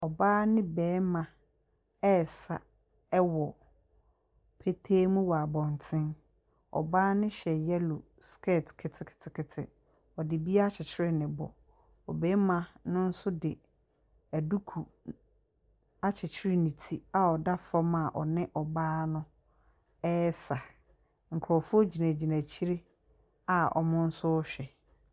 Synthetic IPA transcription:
ɔ˨baː˦nɪ̃˦bɛː˨˦mã˨ | ɛ˦˨sa̰˨ | ɛ˦wɔ˨ | pʰe˦tʰeː˦mũ˦wɔ˨a˨bɔ̃˨n˨tʰɪ̃˦n | ɔ̰˨baː˦nɪ̃˦ɕɛ˨jɛ˦lʊ˨ | skʰɛ˦˨tʰkʰɪ˨tʰɪ˨kʰɪ̥˨tʰɪ˨kʰɪ˨tʰɪ̰˨ | ɔ˨dɪ˨bi˦a˦a˦t͡ɕʰɪ˨t͡ɕʰɪ˦ɾɪ˦nɪ̃˨bɔ̰˨ | ɔ̰˨bɛː˦mã˨nʊ̃˦n̩˦sʊ˦dɪ˨ | æ˨du˦kʰu˨ | a˨t͡ɕʰɪ˨t͡ɕʰɪ˦ɾɪ˦nĩ˨tʰi˦a˨ɔ˨da˦fa˦mã˨ʔɔ̰˨nɪ̃˦ʔɔ˨baː˦nʊ̃˦ | ɛ˦sa˨ | ŋ̩˨kʰɾɔ˨fʊ˦o˦d͡ʑi˨næ̃˨d͡ʑi˨næ̃˨t͡ɕʰi˦ɾe˦ | a˨ɔ̰˨mʊ̃˦n̩˦sʊ˦ɔ˦ɕᶣɛ˨

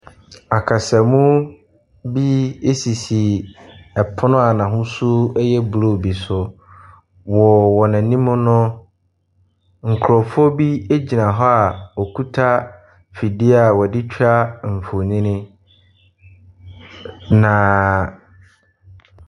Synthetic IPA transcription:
a˨kʰa˨sɛ˨mũ˦ | bi˦e˦si˨si˨ɛ˨pʰʊ˦nʊ̃˦a˨nã˨ɦʊ̃˦su˦ɛ˦jɛ˦bu˨lo˦˨bi˨sʊ˨ | wɔ˨wɔ˨nã˨nĩ˦mʊ̃˦nʊ̃˦ | ŋ̩˨kʰɾɔ˨fɔ˦bi˦e˦d͡ʑi˨nã˨ɦɔ˦a˨ɔ˨kʰu˦tʰa˦ | fi˨dɪ˦a˨wɔ˨dɪ˦t͡ɕᶣʰa˦m̩˨fo˨ɲĩ˦nɪ̃˦ | nã˨

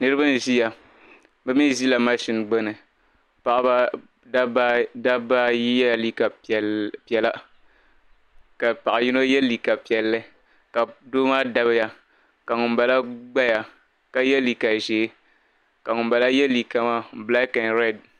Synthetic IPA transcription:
nɨ˦ɾɨ˦bɨ˦n˦ʒi˦ja˨ | bɨ˦mi˦zi˦la˨ma˦ʃi˦nɡ͡bɛ˦nɨ˨ | pa˨ʔba˦ | a˦ba˦da˦ba˦ji˦jɛ˦˨li˦ka˨ | pi˨ɛ˨la˦ | ka˨pa˨ʔa˨ji˦no˦jɛ˦lːi˨ka˨pi˨ɛ˨lːɨ˦ | ka˨doː˦maː˦da˦βɨ˦ja˨ | ka˨ŋʊ˨mba˨la˦ɡ͡ba˦ja˨ | ka˨jɛ˦li˨ka˨ʒeː˨˦ | ka˨ŋʊ˨mba˨la˦jɛ˦li˨ka˨ma˦bla˦kɛ˨nɾɛ˦˨d̚

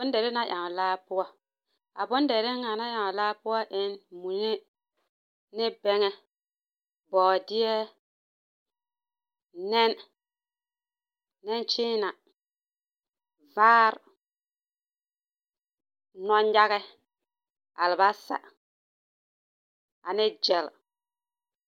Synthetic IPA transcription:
ʊ˦ndɛ˨ɾɪ˦na˦jʔa˨ŋ˨laː˦pʊ˦ɔ˦ | a̰˨bʊ˦n˦dɛ˨ɾɪ˦ŋa˨na˦ja˨ŋ˨laː˦pʊ˦ɔ˦ʔɪ˦nmu˨˦e˦ | nɪ˦bɛ˦ŋɛ˦ | bɔː˨dɪ˦ɛ˦ | nɛ˦n | ɛ˦nt͡ʃɪː˦na˨ | vaː˦ɾ | nɔ˦nja˦ɣɛ˦ | a̰˨lɪ˨ba˦sa̰˨ | a˨nɪ˦d͡ʒɛ˨l

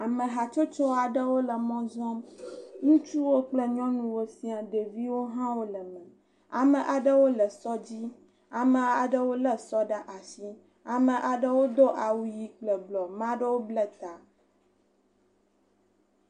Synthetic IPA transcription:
a˨mə̃˨ɦa˨t͡ʃo˦t͡ʃɔ˦a˨ɖə˦wo˦lə˨mɔ̃˦zɔ̃˦mŋũ˦t͡ʃu˦wo˦k͡plə˦ɲɔ̃˦nũ˦wo˦si˦a˨ɖe˨vi˦wo˦ɦã˦wo˦lə˨mə̃˨ | a˨mə̃˨ʔa˨ɖə˦wo˦lə˨sɔ˦d͡ʑi˦ | a˨mə̃˨a˨ɖə˦wo˦lə˦sɔ˦ɖa˦ʔa˨si˦ | a˨mə̃˨ʔa˨ɖə˦wo˦d̪o˦ʔa˨wu˦ji˦k͡plə˨ɡ͡blɔ˨mã˦ɖə˦wo˦blə˦t̪a˨

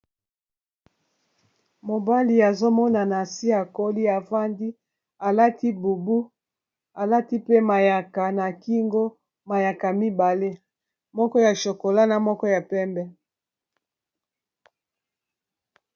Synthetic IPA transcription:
mo˨ba˦li˨a˨zo˦mɔ˦na˨na˨si˦a˨ko˦li˦a˨va˦ndi˦ | a˨la˦ti˦bu˨bu˦ | a˨la˦ti˦pe˦ma˨ja˨ka˨na˨ki˦ŋɡo˦ | ma˨ja˨ka˨mi˦ba˨le˦ | mɔ˦kɔ˦ja˨ʃo˨ko˨la˦na˨mɔ˦kɔ˦ja˨pɛ˦mbɛ˦

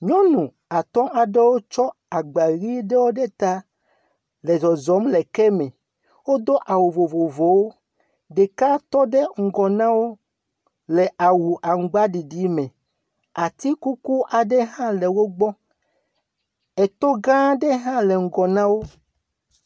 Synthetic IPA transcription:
ɲɔ̃˦nũ˨ | a˨t̪ɔ̃˦ʔa˨ɖe˦wo˦t͡ʃɔ˦ | a˨ɡ͡ba˨ɣi˦ɖe˦wo˦ɖe˦t̪a˦ | lɛ˨zɔ˨zɔ˨˦mlɛ˨kɛ˦mɛ̃˨ | wo˦d̪o˦ʔa˨wo˨vo˨vo˨vo˨wo˦ | ɖe˨ka˦t̪ɔ˦ɖe˦ŋ̩˨ɡɔ˨nã˦wo˦ | lɛ˨ʔa˨wu˨ʔa˨ŋ̩˨ɡ͡ba˦ɖi˨ɖi˨˦mẽ˨ | a˨t̪i˦ku˦ku˦ʔa˨ɖɛ˦ɦã˦lɛ˨wo˦ɡ͡bɔ˦ | ɛ˨t̪ɔ˦ɡã˦ɖe˦ɦã˦le˨ŋ̩˦ɡɔ˨nã˦wo˦

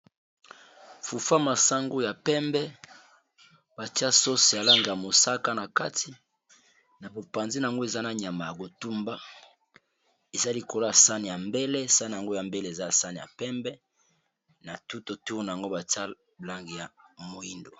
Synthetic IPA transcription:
fu˨fa˦ma˨sa˦ŋɡo˦ja˨pɛ˦mbɛ˦ | ba˨ti˦a˦so˦si˨ja˨la˦ŋɡi˨ja˨mo˨sa˦ka˦na˨ka˦ti˦ | na˨bo˨pa˨nzi˦na˨a˨ŋɡo˦e˨za˦na˨ɲa˨ma˨ja˨ko˨tu˦mba˦ | e˨za˦li˨ko˨lo˦a˨sa˦ni˨ja˨mbe˦le˦˨sa˦ni˨ja˨ŋɡo˦ja˨mbe˦le˦e˨za˦a˨sa˦ni˨ja̰˨pɛ˦mbɛ˦ | na˨tu˦to˨tu˦n˨ja˨ŋɡo˦ba˨ti˦a˦ | la˦ŋɡi˨ja˨mo˨i˦ndo˨

